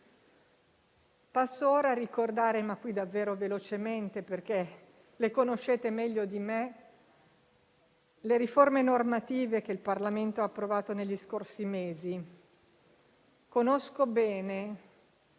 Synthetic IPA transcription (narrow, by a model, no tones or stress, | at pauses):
pasːooːɾaːɾikord̪aːɾemakːwid̪avːeːɾovelot͡ʃement̪eperk̟e | lekonoʃːeːt̪emɛʎːod̪ime | leɾiformenormat̪iːvek̟eilparlament̪oaːpːɾovaːt̪oneʎːiskorsimeːzi | konoskobɛːne